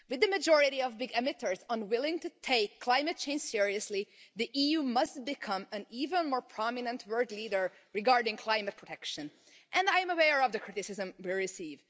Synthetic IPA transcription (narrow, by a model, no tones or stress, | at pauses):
wɨðɨmɨd͡ʒɔɹɪɾiʌvbɪɡɛmɨɾə˞zə̃nwɪlˠɪ̃ŋtɨtʰeɪkʰːl̥ãɪ̃mɨt̚t͡ʃʰẽɪ̃nd͡ʒ̥sɪɹiɨsliðiʔijumʌst̚b̥ɨkʰʌ̃mɨ̃nivə̃nmɔɹpʰɹ̥ɑmɪnə̃ntʰwɜ˞dliɾə˞ | ɹɨɡɑɹdɪ̃ŋkʰl̥ãɪmɨt̚pʰɹɔtʰɛkʃɨ̃n | ʔɨ̃naɪɨ̃məwɛɹʌvðɨkʰɹ̥ɪɾɨsɪzə̃mwiɹɪsiv